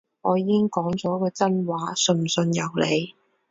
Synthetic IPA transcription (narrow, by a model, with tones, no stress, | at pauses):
ŋɔː˨˧jiː˨˧kɪ˥ŋkɔː˨˥ŋt͡sɔː˨˥kɔː˧t͡sɐ˥nwaː˨˥sɵ˧nsɵ˧njɐ˨˩wle˨˧j